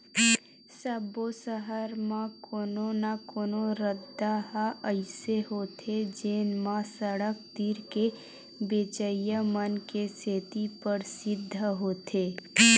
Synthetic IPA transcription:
səbosəɦəɾmãkoːnonakoːnoɾəd̪aɦaəɪseɦoːt̪ʰed͡ʒeːnmãsəɽək̚t̪iːɾke | beːt͡ʃəjəmənkeseːt̪ipəɾsɪd̪ʱːɦoːt̪ʰeː

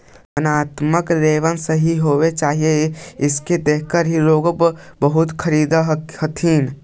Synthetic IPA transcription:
ənaːt̪məkɾeːʋənsəɦiɦowet͡ʃaːɦijeɪsked̪ekəɾɦiɾoːɡəbbəɦut̪kʰəɾid̪hət̪ʰin

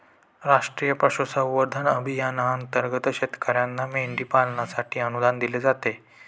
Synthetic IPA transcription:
ɾaʂʈɾijəpɾəɕusəwʋəɾd̪ʱanəbʱijanaənt̪əɾɡət̪ɕet̪kaɾjanːameɳɖiːpalɳasaʈʰiːənud̪and̪iled͡zat̪e

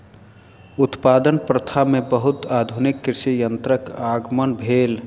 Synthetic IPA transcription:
ut̪pad̪ənpɾət̪ʰamebəɦut̪ad̪ʱunikːɾisijənt̪ɾəkaɡmənbʱel

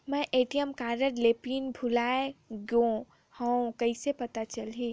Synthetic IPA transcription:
mɛ̃ʔeːʈijəmkaːɾəɾleːpiːnbʱʊlaːeɡjõ | hõkɐisepɐt̪at͡ʃɐlɦi

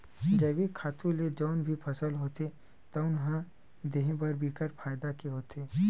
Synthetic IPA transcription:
d͡ʒɐbikʰaːt̪ũled͡ʒɔːnbʱipʰɐsəlɦoːt̪e | t̪ɐʊnɦã | d̪eːɦẽbɐɾbiːkəɾpʰaːjd̪akeɦoːt̪ʰeː

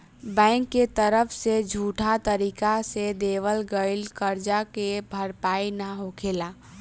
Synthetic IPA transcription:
bɛ̃ːŋkːet̪əɾəpʰsed͡ʒʱuːʈʰat̪əɾiːkased̪eːʋəlɡəɪlkəɾd͡ʒakebʱəɾpaːinaɦokʰeːlaː

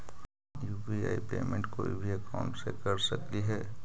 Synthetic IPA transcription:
juːpiaːipeːmẽɳʈkoːḭbʱiɐkaʊ̃ɳʈsekɐɾsɐk̚t̪iɦɛː

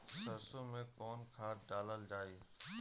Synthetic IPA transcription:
sɐɾsõmẽkɔːnkʰaːɖaːləld͡ʒaːeː

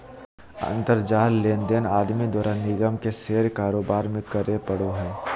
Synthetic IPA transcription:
ɐ̰̃nt̪əɾd͡ʒaːlleːnd̪enaːd̪mid̪waːɾʔaːnːɪɡəmkeseːɾkaːɾoːbaːɾmẽkəɾepəɽoɦɛː

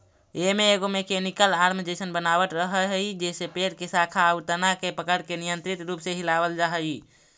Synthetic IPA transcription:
emeːɡomekemikəlaɾmid͡ʒesənbənabət̪ɾəɦəɦəjd͡ʒesepeɽkesakʰaəut̪ənakepəkəɽkenijənt̪ɾit̪ɾupsẽɦilabəld͡ʒaɦəi

